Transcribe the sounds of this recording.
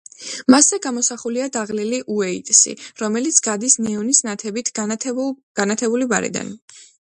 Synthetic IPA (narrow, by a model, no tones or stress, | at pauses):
masɛɡamɔsaχuliad̪aʁliliʔuɛit̪ʼsḭɾɔmɛlit̪sʰɡ̥ad̪isnɛɔnisnat̪ʰɛbit̪ʰ | ɡ̥anat̪ʰɛbulibaɾḭd̪a̰n